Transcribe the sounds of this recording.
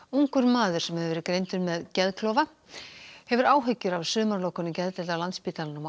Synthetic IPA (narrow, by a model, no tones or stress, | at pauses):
uŋkʏɾmaːðʏɾ̥sɛmhɛvʏvɛːɾɪkɾeːjnt̪ʏɾmɛðcɛðkʰlɔːva | hɛvʏɾaːwɦʏɥcːʏɾavsʏːmaɾlowkʏnʏmcɛðt̪ɛlalant̪spit̪alanʏm